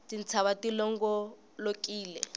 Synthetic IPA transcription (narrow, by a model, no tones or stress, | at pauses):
tint͡sʰaβatilɔŋɡɔ | lokʼiːlɛ̰